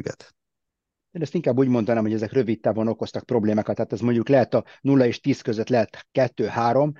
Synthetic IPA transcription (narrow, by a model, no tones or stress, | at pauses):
ɡɛ̰t̪ | eːnɛst̪iŋkaːbːuːɟmo̞nd̪ɒnaːmhoɛzɛkrø̞vit̪ːaːvono̞ko̞st̪ɒk̚pro̞bleːmaːkɒt̪ːɛaːt̪ɛzmo̞ɲɟuklɛɦɛt̪ɒnulːɒeːʃt̪iːskøzøt̪lɛɦɛt̪kɛt̪ːøːhaːɾo̞m